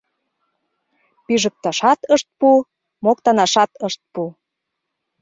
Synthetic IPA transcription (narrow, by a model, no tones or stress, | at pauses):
piʒə̆k̚t̪ɑʃɑt̪əʃt̪̚pu | mokt̪ɑnɑʃɑt̪əʃt̪̚pu